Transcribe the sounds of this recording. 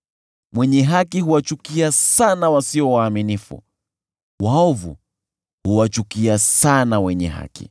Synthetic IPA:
mwɛɲɛɦakihuwat͡ʃukiasanawasiɔwaːminifṵ | waɔvṵ | huwat͡ʃukiasanawɛɲɛ̰ɦa̰kḭ

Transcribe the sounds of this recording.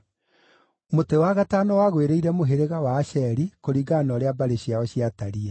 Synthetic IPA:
motewaɣatanɔwaɣweɾeiɾɛmoɦeɾeɣawaːʃɛɾikoɾiːɡanɔɾeabaɾeɕiaɔɕiataɾiɛ

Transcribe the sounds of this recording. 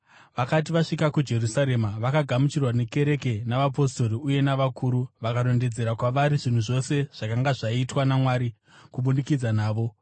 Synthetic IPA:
ʋakat̬iʋaʂikakud͡ʒe̞rusaɾe̞maʋakaɡʱamut͡ʃirwane̞ke̞ɾe̞ke̞naʋap̬o̞sto̞ɾiuje̞naʋakʰuːɾuʋakaɾo̞nde̞d͡ze̞ɾakwaʋaɾiʐin̤uʐo̞se̞ʐ̥akaŋɡaʐaitwanamwaːɾi | kuɓunikid͡zanaːʋo̞

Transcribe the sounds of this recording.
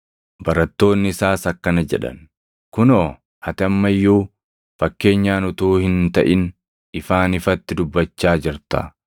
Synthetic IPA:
bɐɾɐt̪ːo̞ːnːɪɪsaːsɐkːɐnɐd͡ʒɛᶑɐ̰n | kʊnoː | hɐt̪ɪɐmːɐjːuː | fɐkːe̞ːɲːaːnʊt̪uːhɪnt̪ɐʔɪn | ɪfaːnɪfɐt̪ːɪd̪ʊbːɐt͡ʃːaːd͡ʒɪɾt̪ɐ̰

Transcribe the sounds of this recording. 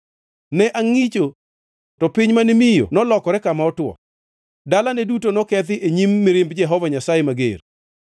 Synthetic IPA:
nɛʔaŋit͡ʃo | tɔpɪɲmanimɪjo̰nɔlɔkɔɾɛkamaɔtwɔ̰ | dalanɛdutonɔkɛt̪ɪʔeɲimːɪɾɪmbd͡ʒɛɦɔvaɲasajemaɡḛr

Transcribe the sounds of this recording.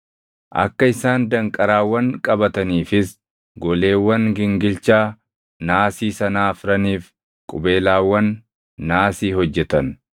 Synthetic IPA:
ʔɐ̰kːɐɪsaːnd̪ɐŋkʼɐɾaːwːɐŋkʼɐbɐt̪ɐniːfɪs | ɡɔle̞ːwːɐŋɡɪŋɡɪlt͡ʃaː | naːsiːsɐnaːfɾɐniːf | kʼʊbe̞ːlaːwːɐnː | aːsiːhɔd͡ʒːɛt̪ɐn

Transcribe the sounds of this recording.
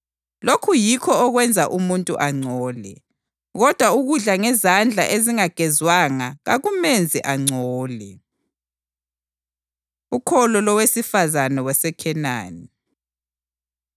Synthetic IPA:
lokʰujikʰɔːɣwɛnd͡zʱaʔumuntʼṵʔaŋ͡ǀʱɔːlɛ̰ | ɣɔd̥ʱwauɣuɮaŋɛzand͡ɮʱa̰ʔeziŋaɡ̥ʱɛzwaŋaɣa̰ɣumend͡zʱɛʔaŋ͡ǀʱɔːlɛ | ukʰɔlɔlɔwesifazanɛwɛsɛkʰɛna̰ːni

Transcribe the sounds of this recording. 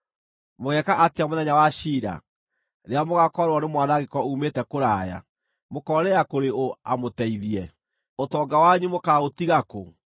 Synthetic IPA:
moɣɛkaʔatiamoðɛɲawaɕiːɾa̰ | ɾeamoɣakɔɾwɔnemwanaɣekɔumetɛkoɾaːja̰ | mokɔɾɛakoɾeoa̰motɛiðiɛ | otɔːɡawaɲumokaotiɣako̰

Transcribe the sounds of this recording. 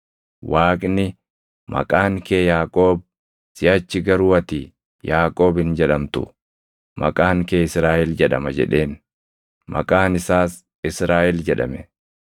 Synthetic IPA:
waːkʼnɪ | mʔɐ̰kʼaːŋke̞ːjaːkʼo̞ːb̚ | sɪɐt͡ʃːɪɡɐɾuːɐt̪iː | jaːkʼo̞ːbhɪnd͡ʒɛᶑɐmt̪ʊ̰ | mɐ̰kʼaːŋke̞ːɪsɾaːʔɛld͡ʒɛᶑɐmɐd͡ʒɛ̰ᶑe̞ːn | mɐ̰kʼaːnɪsaːs | ɪsɾaːʔɛld͡ʒɛᶑɐ̰mɛ

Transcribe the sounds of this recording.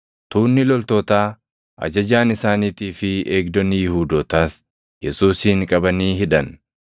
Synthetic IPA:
t̪uːnːɪlɔlt̪ɔːt̪aː | ʔɐ̰d͡ʒɐd͡ʒaːnɪsaːniːt̪iːfɪʔeːɡd̪ɔnːɪjɪhuːd̪oːt̪aːs | jɛsuːsɪŋkʼɐbɐniːɦɪᶑɐn

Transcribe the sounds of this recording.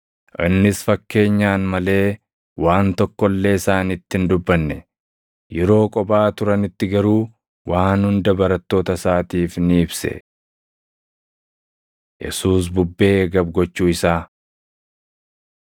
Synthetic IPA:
ʔɪnːɪsfɐkːe̞ːɲːaːnmɐle̞ː | waːnt̪ɔkːɔlːe̞ːɪsaːnɪt̪ːɪnd̪ʊbːɐnːɛ | jɛɾo̞ːkʼɔbaːt̪ʊɾɐnɪt̪ːɪɡɐɾuː | waːnhʊnd̪ɐbɐɾɐt̪ːo̞ːt̪ɐsaːt̪iːfnɪɪbsɛ̰ | jɛ̰suːs̬bʊbːe̞ːɡɐb̚ɡɔt͡ʃːuːɪsaː

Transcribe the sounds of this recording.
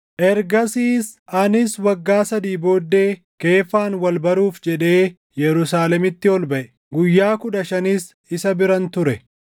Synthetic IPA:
ʔɛɾɡɐsiːsɐnɪswɐɡːaːsɐd̪iːbo̞ːd̪ːe̞ː | ke̞ːfːaːnwɐlbɐɾuːfd͡ʒɛᶑe̞ː | jɛɾʊsaːlɛmɪt̪ːɪɔlbɐʔɛ | ɡʊjːaːkʊᶑɐʃɐnɪs | ɪsɐbɪɾɐnt̪ʊɾɛ

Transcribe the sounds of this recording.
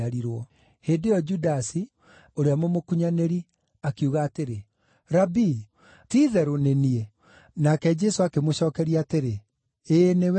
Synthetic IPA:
aɾiɾwɔ | hendejɔd͡ʒudasi | oɾeamomokuɲaneɾi | akiuɣaːteɾe | ɾabi | tiːðɛɾonenie | nakɛd͡ʒɛsoakemoɕɔːkɛɾiateɾe | enew

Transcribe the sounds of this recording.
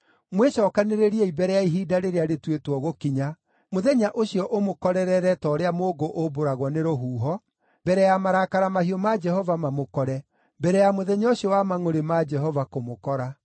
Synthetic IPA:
mweʃɔːkaneɾeɾiɛibɛɾɛjaiɦiːdaɾeɾeaɾetwetwɔɣokiɲa | moðɛɲaʔoɕiɔʔomokɔɾɛɾɛɾɛtɔɾeamoːɡoʔoboɾaɣwɔneɾoɦuːɦɔ | bɛɾɛjamaɾakaɾamahiɔmad͡ʒɛhɔvamamokɔɾɛ | bɛɾɛjamoðɛɲaoɕiɔwamaŋoɾemad͡ʒɛɦɔvakomokɔɾa

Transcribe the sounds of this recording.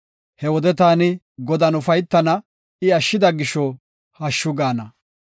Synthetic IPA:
hɛwɔd̪ɛt̪aːnɪ | ɡɔd̪ɐnʊfɐjt̪ːɐnɐ | ɪɐʃːɪd̪ɐɡɪʃːɔ | hɐʃːʊɡaːnɐ

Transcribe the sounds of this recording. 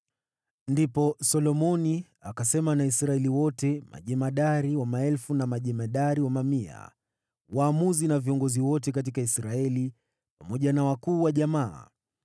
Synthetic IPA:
ndipɔsɔlɔmɔni | akasɛmanaisɾaɛliwɔtɛma̰ʄɛmaɗaɾiwamaɛlfunamaʄɛmaɗaɾiwamamia̰ | waːmuzinaviɔŋɡɔziwɔtɛk̬at̬ikaisɾaɛli | pamɔʄanawakuːwaʄamaː

